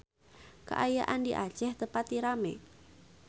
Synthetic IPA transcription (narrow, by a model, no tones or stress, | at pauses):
kə̰ʔajaʔandiʔa̰̥d͡ʒ̥ɛht̪əpat̪ːiɾamɛ̰